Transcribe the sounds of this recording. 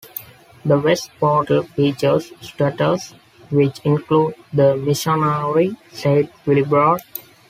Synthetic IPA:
d̪əʋesʈ̚pɔːɾʈəlfiːt͡ʃəɾssʈəʈəs | ʋɪt͡ʃɪ̃nkluːɖd̪əmɪʃɔnəɾɾisaɪʈ̚ʋɪlibɾɔːɖ

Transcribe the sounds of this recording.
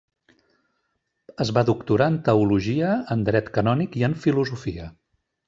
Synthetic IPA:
əzβaðukt̪uɾaənt̪əuluʒiəənd̪ɾɛt̪kənɔnikiəɱfiluzufiə

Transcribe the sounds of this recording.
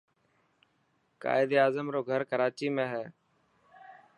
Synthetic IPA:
ka̰ːɪd̪eːaːzəmɾoːɡʱəɾkəɾaːt͡ʃiːmẽːɦɛː

